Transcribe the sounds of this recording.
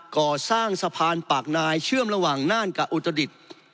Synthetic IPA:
kɔː˨˩saː˥˩ŋsa˧pʰaː˧npa˨˩k̚naː˧jt͡ɕʰɯ˥˩əmɾa˧wa˨˩ŋnaː˥˩nka˨˩ʔu˨˩t̪ːɾa˧di˨˩t̪̚

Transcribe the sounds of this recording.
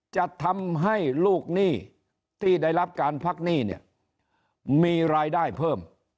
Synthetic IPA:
t͡ɕa˨˩t̪ʰa˧mɦa˥˩jluː˥˩k̚niː˥˩ | t̪ʰiː˥˩daː˥˩jla˦˥p̚kaː˧npʰa˦˥˩k̚niː˥˩nḭ˥˩ɐ | iː˧ɾaː˧jdaː˥˩jpʰɤː˥˩m

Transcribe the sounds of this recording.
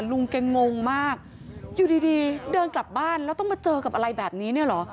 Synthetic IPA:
lu˧ŋke˧ŋŋo˧ŋmaː˥˩k̚ | juː˨˩diː˧diː˧dɤː˧nkla˨˩p̚baː˥˩nlɛː˦˥t̪ɔ˥˩maː˧t͡ɕɤː˧ka˨˩p̚ʔa˧ɾa˧jbɛː˨˩p̚niː˦˥ni˥˩ɐlɔ˩˦˥

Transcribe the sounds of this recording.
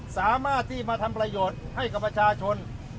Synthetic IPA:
saː˩˦maː˥˩t̪ʰːiː˥˩maː˧t̪ʰa˧mpɾa˧joː˨˩t̪̚ha˥˩jka˨˩pːɾa˧t͡ɕʰaː˧t͡ɕʰo˧n

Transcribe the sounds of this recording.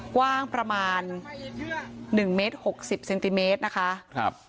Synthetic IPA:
kwaː˥˩ŋpɾa˧maː˧n | ɯ˨˩ŋmeː˦˥t̪̚ho˨˩k̚si˨˩p̚se˧nt̪i˧meː˦˥t̪̚na˦˥kʰa˦˥ʔp̚

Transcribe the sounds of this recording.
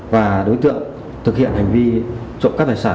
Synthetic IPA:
vaː˨˩ɗo˨˦jt̪ɨ̰˧˨əŋ | t̪ʰɨ˨k̚hḭ˧˨ənha˨˩jŋ̟vi˧t͡ɕo̰˧˨ŋ͡mkaː˦˥k̪̚ːjsaː˧˩

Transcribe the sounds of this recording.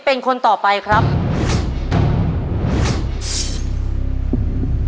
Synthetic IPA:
pe˧nkʰo˧nt̪ɔː˨˩pa˧jkʰɾa˦˥p̚

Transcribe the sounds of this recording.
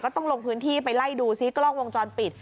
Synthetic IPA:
kɔː˥˩t̪ɔ˥˩lo˧ŋpʰɯː˦˥nt̪ʰiː˥˩pa˧jla˥˩jduː˧si˦˥˩klɔː˥˩ŋwo˧ŋt͡ɕɔː˧npi˨˩t̪̚

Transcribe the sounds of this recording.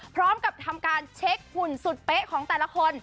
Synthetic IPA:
pʰɾɔː˦˥mka˨˩p̚t̪ʰa˧mkaː˧nt͡ɕʰe˦˥k̚pu˨˩nsu˨˩t̪̚pe˦˥kʰɔː˩˦ŋt̪ɛː˨˩la˧˥kʰo˧n

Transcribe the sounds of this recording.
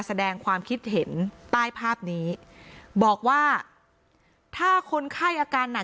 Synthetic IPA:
sa˧dɛː˧ŋkʰwaː˧mkʰi˦˥t̪̚ɦe˩˦nt̪aː˥˩jpʰaː˥˩p̚niː˦˥bɔː˨˩k̚waː˥˩ | t̪ʰaː˥˩kʰo˧nkʰa˥˩jʔaː˧kaː˧nːa˨˩

